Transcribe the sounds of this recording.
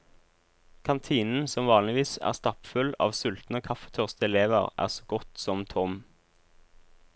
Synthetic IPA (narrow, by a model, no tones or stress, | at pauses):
kʰɑnt̪ʰiːnn̩sɔmʋɑːnlɪʋiːsæ̰ːʁst̪ɑpfʉlɑ̰ːʋsʉlt̪n̩oːkʰɑfə̥t̪ʰœʁst̪əɛleːʋəʁʔæ̰ːʁsoːɡɔt̪sɔmt̪ʰɔm